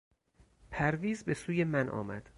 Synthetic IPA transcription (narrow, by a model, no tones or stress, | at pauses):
pʰæɾviːzbe̞suːjemænʔɒ̰ːmæ̰d̪̥